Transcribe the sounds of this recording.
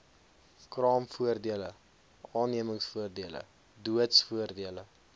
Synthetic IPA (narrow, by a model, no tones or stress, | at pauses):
krɑːmfuərdiələ | ɑːnːiəməŋsfuərdiələ̰ | duətsfuərdiələ